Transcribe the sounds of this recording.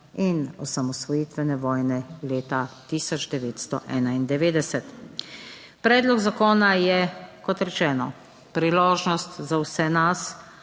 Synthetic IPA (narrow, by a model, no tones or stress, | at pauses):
inɔsamɔsʋɔjiːt̪ʋɛnɛʋɔːjnɛleːt̪at̪iːsɔd͡ʒd̪ɛʋeːt̪st̪ɔʔɛːnaind̪ɛʋeːd̪ɛsɛt̪ | pɾɛːd̪lɔɡzakoːnajɛkɔt̪ɾɛt͡ʃɛːnɔ | pɾiloːʒnɔst̪zawsɛnas